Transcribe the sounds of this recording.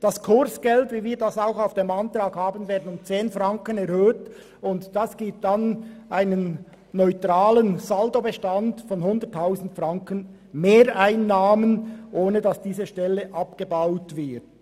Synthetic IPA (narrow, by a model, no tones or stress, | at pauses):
d̥ɑskʰʊɾsɡ̥ɛltviːviːɾdɑsaʊxaʊfd̥eːmɑntrʁaːɡhaːbənveːɐdn̩ʊmt͡seːnfrɑŋkənɛɾhøːt | ʊntd̥ɑsɡ̥iːp̚tanʔaɪnənː | ɔʏtraːlənzaldobəʃtɑndfɔnhʊndətʰːaʊzn̩tfrɑŋkən | meːɾaɪnːaːmənʔoːnədɑsd̥iːzəʃtɛlːəʔɑpɡ̥əbaʊtvɪt